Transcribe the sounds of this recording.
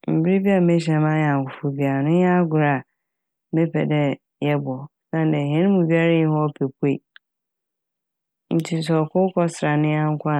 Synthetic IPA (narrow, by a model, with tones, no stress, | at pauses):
m̩˨bɪ˦ɾi˦bi˦a˨mẽ˦ɕ̬ɛ̃˨mã˦jã˨kʊ˨fu˨bi˨a˨nʊ̃˦jɛ˦a˦ɡʊ˨ɾa˨˦ | me˦pʰɛ̰˨dɛ˦ | jɛ˦bʊ˨ɔ˨ | sã˦n˨dɛ˨ɦɛ̃˦nʊ̃˦mũ˨bi˦a˦ɾa˦jĩ˦hɔ˦pʰe˨pʰu˦e˦˨ | n̩˦tʰi˦˨s̬ɔ˨kʊ˦kʰɔ˦sɾa˨nɪ̃˦a˦ŋ̩˦kʷʰʊ˦a˦